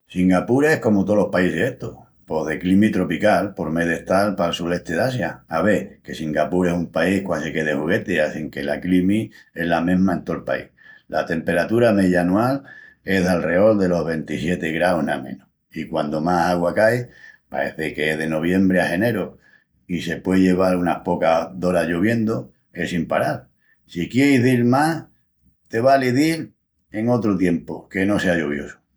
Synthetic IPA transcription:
siŋɡapuɾe̞hko̞mut̪o̞lo̞hpaiseheht̪o | po̞ðe̞klimit̪ɾo̞pikalpo̞ɾme̞ðeht̪alpalsuɾe̞ht̪e̞ðasjaːβe̞kesiŋɡapuɾe̞sumpaihkwase̞ke̞ð̞e̞huɣ̞e̞t̪eaθiŋke̞la̰klimie̞ɦlamẽɦmaent̪o̞lpa̰ḭhla̰t̪e̞mpe̞ɾat̪uɾame̞ðjanual | e̞ɦðalre̞o̞ld̪e̞lo̞ɦβe̞nt̪isje̞t̪e̞ɣɾaoɦna̰mẽ̞̰no | ikwand̪omasaɣwakaepa̰ɾe̞̰θe̞keeðeno̞β̞je̞mbɾeahe̞ne̞ɾo | ise̞pweʎe̞β̞alunahpo̞kaðo̞ɾaʝoβ̞je̞nd̪o | e̞simpa̰ɾal | sikjejɦðiɾmah | t̪e̞βaliðil | e̞ŋo̞t̪ɾot̪je̞mpoke̞no̞se̞ajoβ̞jo̞̰su̥

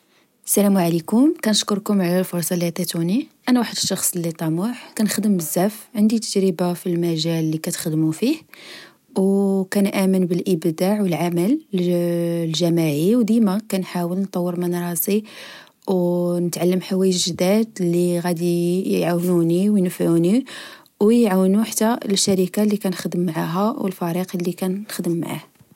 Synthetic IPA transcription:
sælæmuʕalikʊmkænəʃkʊɾkʊmʕlælfʊɾˤsˤɑlæt̪æt̪uniʔænæwaħəd̪əʃːɑxsˤlːit̪ˤɑmʊħkænxd̪əmbəzːæfʕənd̪it̪ə̥d͡ʒɾəbafilmæʒælːikæt̪xd̪mufih | wkænʔæmənbəlʔəbd̪aʕwəlʕaməl | lʒæmaʕiwd̪imækænħawəlnt̪ˤɑwːəɾmənɾˤɑsˤi | wnət̪ʕalːəmħawæjəʒd̪æd̪lːiɣæd̪ijʕawnuniwjnəfʕuni | wjʕawnuħt̪ːælʃæɾikalːikænxd̪əmːʕaɦæwəlfæɾiqlːikænːxd̪əmːa̰ʕa̰h

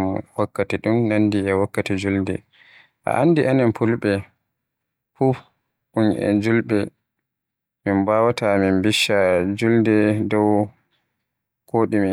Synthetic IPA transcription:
wakːatiɗumnanːdiɛwakːatid͡ʒuldɛ̰ | ʔa̰ʔandiʔaninpulɓɛ | fu | ʔunʔɛ̰d͡ʒulɓɛ | minbawataminbiʃːad͡ʒuldɛdɔw | koːɗimi

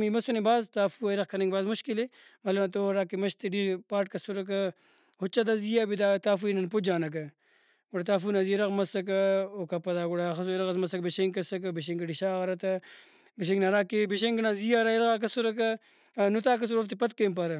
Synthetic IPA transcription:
mimɐsɐnebaːzt̪aːfuɐjɾɐxkʰɐnɐŋɡbaːzmuʃkile | mɐlɐmt̪oɾaːkemɐʃt̪iɖipaːʈ̚kɐsuɾɐk̬ɐ | hot͡ʃːɐd̪azijaːbid̪aːt̪aːfuinɐnpod͡ʒaːnɐk̬ɐ | ɡoɽɐt̪aːfunazieɾɐɣmɐsɐk̬ɐokɐpɐd̪aːɡoɽaxɐsojɾɐɣɐs̬mɐsɐkbeʃeŋkɐsɐk̬ɐbiɕ̬eŋɡɐɖiʃaːɣɐɾɐt̪ɐ | beʃ̬eŋɡnaɾaːkebiʃ̬eŋɡnazijaɾaiɾɐɣak̬ɐsuɾɐk̬ɐ | nut̪aːk̬ɐs̬uɾoft̪ipɐt̪̚kɐːmp̬aɾɐ

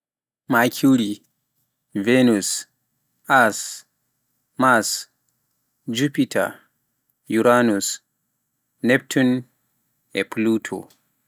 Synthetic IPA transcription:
makʰuɾi | venus | ʔas | mas | d͡ʒupitʰa̰ | juɾanus | nep̚tʰun | ɛplutʰo̰

